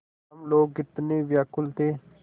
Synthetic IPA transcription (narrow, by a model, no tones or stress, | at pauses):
ɐmloːɡɪt̪neːʋjakʊlt̪ʰeː